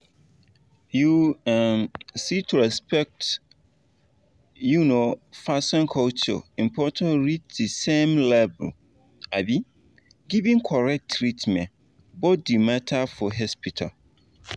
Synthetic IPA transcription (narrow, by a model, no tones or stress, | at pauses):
juãnsitʰuɹɛspɛk̚t | junofasɔ̃nkʰɔlt͡ʃɔ̰ĩmpʰɔtʰãnɹit͡ʃ̚dɨsẽmlɛbɛ̰ | abi | ɡivĩŋkʰɔɹɛk̚tʰːɹitmɛ̃n | bɔdimãtʰafɔɦɔspitʰa̰l